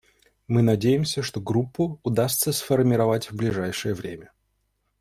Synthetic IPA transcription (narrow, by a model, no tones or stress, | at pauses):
mɨnɐdʲejɪmsʲəʂt̪oɡɾupːʊːd̪ast̪səsfərmʲɪɾɐvatʲvblʲɪʐajʂɨjəvɾʲemʲə